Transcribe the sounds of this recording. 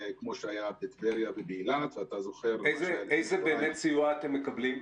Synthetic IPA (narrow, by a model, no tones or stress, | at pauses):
kmo̞ʃeajabet̪veʁjabebiːlad̪veat̪azoχeʁlejzelʔejzebe̞ːmet̪t͡sijuaːt̪emːe̞kablim